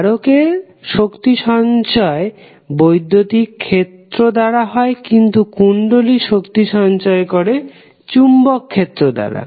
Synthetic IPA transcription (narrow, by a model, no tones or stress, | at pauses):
ɾoke | ʃokt̪iʃɔnt͡ɕɔe | bojd̪ʱːot̪ikʰːet̪ɾod̪aɽaɦɔekint̪ukuɳɖoliʃokt̪iʃɔnt͡ɕɔekoɾe | t͡ɕumbokʰːet̪ːɾod̪a̰ɽa̰